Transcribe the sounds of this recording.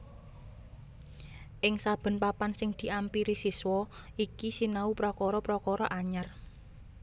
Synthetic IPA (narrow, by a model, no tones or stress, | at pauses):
ʔɪŋsab̥ə̤npapansɪŋd̪̥i̤ʔampiɾisiswɔ | ikisinaupɾɔkɔɾɔpɾɔkɔɾɔʔaɲar